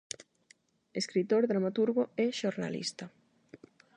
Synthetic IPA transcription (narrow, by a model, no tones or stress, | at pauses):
eskɾit̪oɾðɾamat̪uɾɣoɛʃoɾna̰lḭst̪ɐ